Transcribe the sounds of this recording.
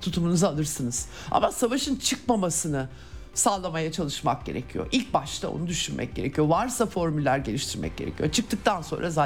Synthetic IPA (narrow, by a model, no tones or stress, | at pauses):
t̪ʰut̪ʰumunuzaalˠɯɾsɯnɯz̥ | a̰masavaʃɯnt͡ʃʰɯk̚mamasɯnɯ | saːlˠamajat͡ʃʰalˠɯʃmak̚ɟe̞̰ɾe̞̰cʰijo̰ʔilʲc̚baʃt̪ʰao̰nud̪yʃynmʔɛ̰c̚ɟ̥e̞ɾecʰijovaɾsafo̞ɾmylʲːæɾɟelʲiʃt̪ʰiɾmɛ̰c̚ɟe̞ɾecʰijo̰t͡ʃʰɯk̚t̪ʰɯk̚t̪ʰanso̞nɾʔaza